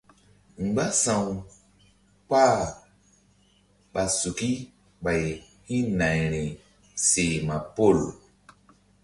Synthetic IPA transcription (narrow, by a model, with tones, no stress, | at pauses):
ŋ͡m̩˨ɡ͡ba˦sã˨w | k͡pa˦˨ | ɓa˨su˨ki˦ | ɓa˨j | hĩ˦nã˨jɾĩ˨ | se˨ma˨po˦˨l